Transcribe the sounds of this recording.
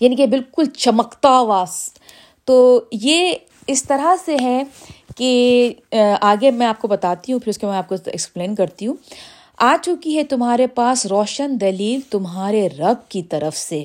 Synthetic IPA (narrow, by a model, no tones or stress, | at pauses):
jaːniːkebɪlkʊlt͡ʃɐməkt̪aʋaːs | t̪oːje | ɪst̪ɐɾaseɦɛ | ke | aːɡemɛ̃aːp̚kobɐt̪aːt̪iɦũfʰɪɾʊskemɛ̃aːp̚koɛ̰kspleːnkɐɾt̪iɦũː | aːt͡ʃʊkiɦɛt̪ʊmɦaːɾepaːsɾɔːʃənd̪ɐliːlt̪ʊmɦaːɾeɾɐb̚kit̪ɐɾəfse